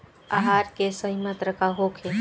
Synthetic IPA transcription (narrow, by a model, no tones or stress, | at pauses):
aɦaɾkesəɦimət̪ɾəkaɦokʰe